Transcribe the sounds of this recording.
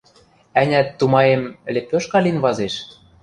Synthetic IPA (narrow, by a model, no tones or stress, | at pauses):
ænʲæt̪ːumɑjemlʲepʲːøʃkɑlinβɑzeʃ